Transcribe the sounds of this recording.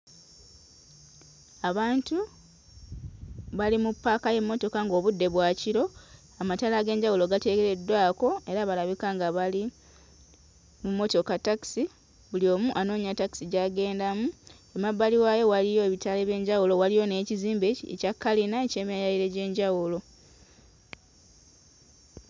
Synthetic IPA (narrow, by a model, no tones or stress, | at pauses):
aβaːntu | βalimupːaːkaje̞mːo̞to̞kaŋɡo̞ːβudːe̞βwaːciɾo̞ | amatalaɡe̞ːɲɟawuloɡate̞ɡeɾe̞dwaːko̞e̞ɾaβalaβikaŋɡaβali | mumːo̞to̞kataki̥si | βulio̞ːmuʔano̞ːɲataki̥siɟaɡe̞ːndamu | emabːaliwajo̞walijo̞eβitale̞βje̞ːɲɟawulo̞walijo̞ne̞ːciziːmbeḛcakːalinaece̞ːmijajaiɾe̞ɟe̞ːɲɟawulo̞